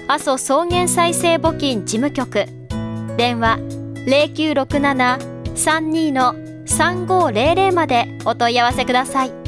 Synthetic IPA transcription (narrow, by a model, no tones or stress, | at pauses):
aso̞so̞ːŋẽ̞ɰ̃saise̞ːbo̞kʲĩɲd͡ʑimɯ̟kʲo̞kɯ̟ | d̪ẽ̞ɰ̃βaɾe̞ːkʲɨːɾo̞kɯ̟nana | sãɲ̟ːiːno̞ | sãŋɡo̞ːɾe̞ːɾe̞ːmad̪e̞ | o̞t̪o̞iaβase̞kɯ̟d̪asai